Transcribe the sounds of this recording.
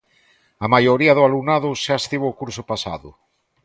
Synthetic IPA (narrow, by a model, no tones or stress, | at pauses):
amajoɾiaðʊalunaðʊʃaest̪iβoːkuɾsʊpasa̰ðʊ̰